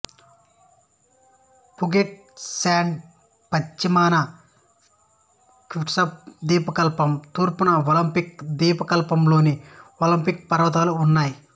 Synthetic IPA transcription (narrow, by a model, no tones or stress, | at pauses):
puɡeʈ̚ | saːɳɖ | pɐt͡ʃːimaːnɐ | kuʈsɐp̚d̪iːpɐkɐlpɐmt̪uːɾpunɐolɐmpikd̪iːpɐkɐlpɐmlo̞ːniolɐmpik̚pɐɾɐʋɐt̪̬aːluːnːaːji